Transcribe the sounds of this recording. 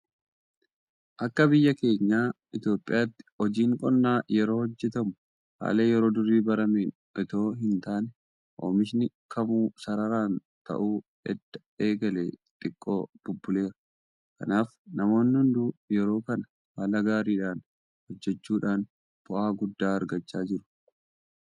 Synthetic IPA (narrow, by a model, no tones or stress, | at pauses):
ʔɐkːɐbɪjːɐke̞ːɲːaːʔɪt̪jo̞ːpʼːɪjaːt̪ːɪ̥ɔd͡ʒiːŋkʼɔnːaːjɛɾo̞ːhɔd͡ʒːɛt̪ɐmʊ̥ | ha̰ːleːjɛɾo̞ːd̪ʊrːiːbɐɾɐmeːn | ʔɛt̪o̞ːɦɪnt̪aːnɛ | ʔo̰ːmɪʃnɪkʰɐmuːsɐɾɐɾaːn | t̪ɐ̰ʔuː | ɛd̪̥ːɐ̥ | e̞ːɡɐleːt̪ʼɪkʼːo̞ːb̥ʊbːʊle̞ːɾɐ̥ | kɐ̰naːf | nɐmo̞ːnːɪhʊnd̪uːjɛɾo̞ːkɐnɐ | waːlɐɡaːɾiːᶑaːn | hɔd͡ʒːɛt͡ʃːuːᶑaːn | b̥ʊʔaːɡʊd̪ːaːɐɾɡɐt͡ʃːaːd͡ʒɪɾʊ̥